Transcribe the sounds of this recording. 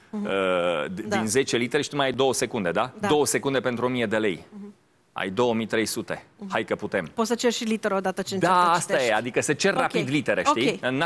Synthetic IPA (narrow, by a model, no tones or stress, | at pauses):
əd̪inze̞t͡ʃe̞lit̪eɾeʃit̪umajajd̪o̞wəse̞kund̪e̞d̪ad̪o̞wəse̞kund̪e̞pe̞nt̪ɾuomije̞d̪e̞le̞̰j | a̰jd̪o̞wəmijt̪ɾe̞jsut̪e̞hajkəput̪e̞mpot̪sət͡ʃerʃilit̪eɾod̪at̪ət͡ʃed̪aast̪ajead̪ikəsət͡ʃe̞rːapid̪lit̪e̞ɾeiɨnː